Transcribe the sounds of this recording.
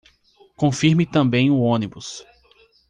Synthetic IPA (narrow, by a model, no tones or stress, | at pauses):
kõfiɾmɪt̪ɐ̃mbẽj̃ʊõnibʊs